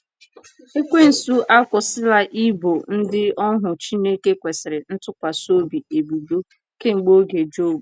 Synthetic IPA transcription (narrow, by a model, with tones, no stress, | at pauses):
e˦kʷe˦n̩˨su˦ʔa˦kʷʊ˨sɪ˦la˦ʔi˦bo˨n̩˦dɪ˦ɔ˦ɦʊ˨t͡ʃi˦ne˦ke˦kʷe˨sɪ˨ɾɪ˨n̩˦tʊ˦kʷa˨so˦bi˨e˨bu˨du˦ | ke˦ŋ͡m̩˨ɡ͡bo˦ɡe˨d͡ʒo˦bu˨